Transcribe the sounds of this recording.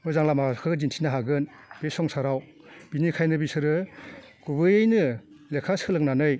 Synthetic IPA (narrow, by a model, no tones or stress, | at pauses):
mɯjzaŋlamakʰɯɡd͡ʒintʰinaɦaɡɯn | b̥esɔŋsaɾaw | b̥inikʰajnɯbisɯɾɯ | kubɯjɯjnɯ | lekʰasɯlɯk̚nanɯj